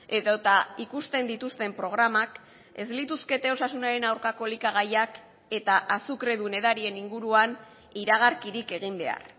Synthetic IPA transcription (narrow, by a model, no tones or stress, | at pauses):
e̞ðot̪aikust̪e̞nd̪it̪ust̪e̞mpɾo̞ɣ̞ɾamak | e̞zlit̪uske̞t̪e̞o̞sasunaɾe̞nawɾkako̞likaɣ̞ajak | e̞t̪aʔasukɾe̞ðune̞ðaɾie̞niŋɡuɾuan | iɾaɣ̞aɾkiɾike̞ɣ̞imbe̞a̰ɾ